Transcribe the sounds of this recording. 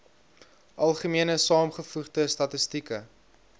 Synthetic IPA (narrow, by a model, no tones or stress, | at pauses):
ʔɐlˠχəmiənəsɑːmχəfuχdəstɐtəstikə